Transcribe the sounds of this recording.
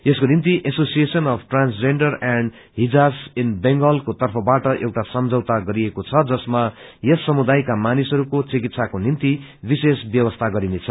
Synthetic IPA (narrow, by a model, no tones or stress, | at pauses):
eskonint̪iʔesosiesʌnʌpʰʈransd͡zeɳɖʌraɳɖ | ɦid͡zasinbeŋɡʌlkot̪ʌrpʰʌbaʈʌʔewʈasʌmd͡zʱʌwt̪aɡʌɾiekot͡sʰʌd͡zʌsmajʌsʌmud̪ajkamanisʌɾukot͡sikit̪sakonint̪i | bisesbjʌbʌst̪ʰaɡʌɾinet͡sʰʌ